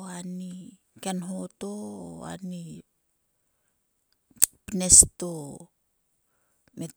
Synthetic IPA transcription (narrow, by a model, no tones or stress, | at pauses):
ani | kenɦoto̰ːa̰ni | pinesto | me